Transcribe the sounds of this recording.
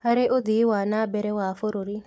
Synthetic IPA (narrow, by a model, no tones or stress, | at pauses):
haɾeʔod̪iwanabɛɾɛwafoɾoɾi